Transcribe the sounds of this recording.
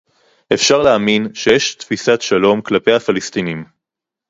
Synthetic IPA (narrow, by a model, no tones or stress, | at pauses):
ʔe̞fʃaʁleaminʃejɛʃt̪fisat̪ʃalo̞mklape̞jhafalist̪inim